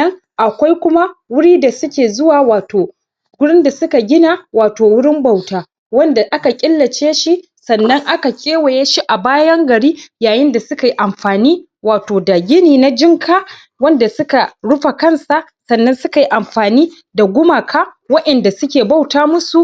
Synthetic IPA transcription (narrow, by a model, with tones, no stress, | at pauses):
ɐ˦ŋ | ʔa˨kʷa˦jkʷʊ˦ma˦wʊ˦ɽiː˦da˨sʊ˦kʲeː˨zʊ˦waː˨waː˨toː˨ | ɡʊ˦ɽɪ˦nda˨sʊ˦ka˨ɡʲɪ˦na˨waː˨toː˨wɽɪ˦mba˦˨wtaː˨ | wɐ˦nda˨ʔa˦ka˨kʲʼɪ˦lːɐ˨t͡ʃeː˦ʃi˦ʔ | sɐ˨nːɐ˦ŋʔa˦ka˨kʲʼeː˦we˨je˦ʃi˦ʔa˨baː˦jɐ˦ŋɡɐ˨ɽiː˦jaː˨jɪ˦nda˨sʊ˦ka˨ji˦ʔa˨mɸaː˨niː˦ | waː˨toː˨da˨ɡʲɪ˦niː˨na˦d͡ʒɪ˦ŋkʰaː˦ | wɐ˦nda˨sʊ˦ka˨ɽʊ˦ɸa˨kɐ˦nsa˨ʔ | sɐ˨nːɐ˦nsʊ˦ka˨ji˦ʔa˨mɸaː˨niː˦ | da˨ɡʷʊ˦ma˨kʰaː˦ | wɐ˦ʔɛ˨nda˨sʊ˦kʲeː˨ba˦˨wtaː˦mʊ˦su˨